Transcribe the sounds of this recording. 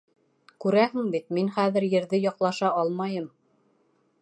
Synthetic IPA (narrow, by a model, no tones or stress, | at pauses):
kʉɾæɦɘŋbit̪̚minχæðɘ̆ɾjɘ̆ɾðɘjɒqlˠɑʃɑɑlˠmɑjɤm